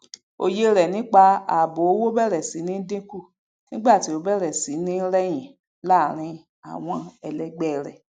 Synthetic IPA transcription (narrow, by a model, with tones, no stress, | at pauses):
o̰˧˨je˧ɾɛ˨nĩ˨˦k͡pa˧a˨bo˨o˦wo˦bɛ˦˨ɾɛ˨si˨˦nĩ˦dĩ˦ku˦˨ | nĩ˦ɡ͡ba˦˨ti˨˦o˧bɛ˦˨ɾɛ˨si˨˦nĩ˦ɾɛ˦j̃ĩ˨ | la˦˨ɾ̃ĩ˧ | a̰˨w̃ɔ̃˧ɛ˧lɛ˧ɡ͡bɛ˦˨ɾɛ˨